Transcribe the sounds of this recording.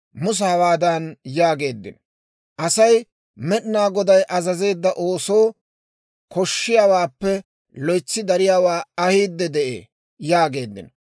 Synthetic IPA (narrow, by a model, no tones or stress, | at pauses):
mʊs̬aːwaːd̪ɐnjaːɡe̞ːd̪ːɪ̰n | ʔɐsɐj | mɛɗnaːɡɔd̪ɐjʔɐzɐze̞ːd̪ːɐʔo̞ːso̞ː | kɔʃːɪjaːwaːpːɛ | lɔjt͡sːɪd̪ɐɾɪjaːwaːɐhiːd̪ːɛd̪ɛʔḛː | jaːɡe̞ːd̪ːɪ̰nɔ